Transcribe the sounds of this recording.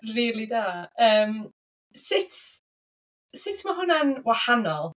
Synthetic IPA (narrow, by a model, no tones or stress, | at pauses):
riːlˠiðaːəːm | sɪtʰ | sɪtʰmaɦʊnanwahanɔlˠ